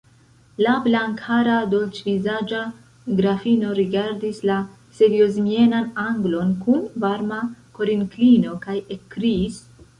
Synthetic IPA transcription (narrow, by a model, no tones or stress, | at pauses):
lablaŋkʰaɾado̞lt͡ʃvizad͡ʒa | ɡɾafino̞ɾiɡaɾdisla | se̞ɾio̞zmie̞nanaŋɡlo̞nkunvaɾmako̞ɾiŋklino̞kajekːɾiːs